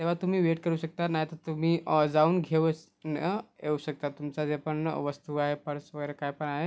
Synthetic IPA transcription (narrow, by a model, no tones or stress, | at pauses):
t̪eʋ̤at̪um̤iːʋeʈkəɾuːɕək̚t̪anaɦit̪əɾt̪um̤iːd͡zauːnɡʱeʋs | nəeuɕək̚t̪at̪umt͡sad͡zepəɳʋəst̪uːaɦepəɾsʋəɡəjɾekajpəɳaɦe